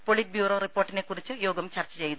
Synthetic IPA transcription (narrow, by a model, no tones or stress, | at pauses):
poɭit̚bjuːro̞ːripːo̞ːrʈːine̞kːurit͡ɕːɨjo̞ːɡɐmt͡ɕɐrt͡ɕːɐt͡ɕejt̪u